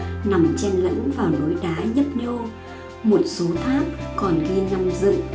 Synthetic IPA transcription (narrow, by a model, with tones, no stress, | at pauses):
na˨˩mt͡ɕɛ˧nlə̰˧˥ŋvaː˨˩wno˨˦jɗaː˨˦ɲə˦˥p̚ɲə˧w | mo˨˩t̚so˨˦t̪ʰaː˦˥k̚ːkɔ˨˩nɣi˧ənːa˧mzɨ̰˧˨